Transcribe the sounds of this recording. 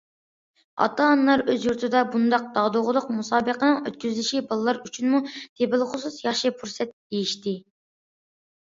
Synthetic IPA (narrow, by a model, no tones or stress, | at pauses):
ɑ̰t̪ɑnlˠɑɾøzjuɾt̪ʰɨd̪ɑbund̪ɑq̚d̪̥ɑd̪oʁʊlˠʊqmusɑːbəqənɨŋøt̪kʲyzlɪʃibɑlˠɨlˠɑɾyt͡ʃʰynmut̪ʰebɪlˠχʊsusjɑχʃɨpʰuɾsɛt̪̚ejiʃt̪ɪ